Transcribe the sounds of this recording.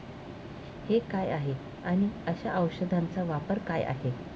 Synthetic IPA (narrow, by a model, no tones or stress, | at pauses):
hekajaɦe | aɽ̃iəɕaʔəwɕəd̪ʱant͡saʋapəɾkaja̰ɦe